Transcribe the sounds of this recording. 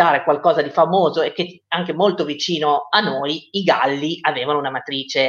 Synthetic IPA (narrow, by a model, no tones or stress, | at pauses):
aːɾekwalkɔːzad̪ifamoːzoekːe | aŋk̟emolt̪ovit͡ʃiːnoanːoːjiɡalːiaveːvanounamat̪ɾiːt͡ʃe